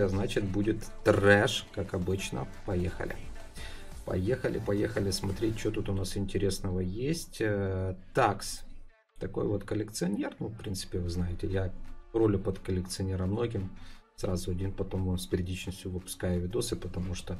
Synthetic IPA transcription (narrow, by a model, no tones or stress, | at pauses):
znat͡ɕɪt̪̚budʲɪt̪ːrɛʂkakɐbɨt͡ɕnə̰pɐjexə̰lʲɪ̰ | pɐ̰jexəlʲʔɪpɐjexəlʲɪsmɐt̪ɾʲet̚ʲt͡ɕːot̪ut̪ʊnasɪnʲtʲɪɾʲe̞snəvəjesʲtʲət̪aks | t̪ɐko̞̰jvo̞t̪kəlʲɪkt̪sɨɐnʲe̞rnufpɾʲint̪sɨ̥pʲɪvɨznajɪtʲɪjaro̞lʲʊpət̪kəlʲɪkt̪sɨɐnʲeɾəmːno̞ɡʲɪmsɾazʊɐdʲinpɐt̪o̞momsʲpʲɪɾʲɪdʲit͡ɕnəsʲtʲʊvɨpʊ̥skajɪvʲɪd̪osɨpət̪ɐmuʂt̪o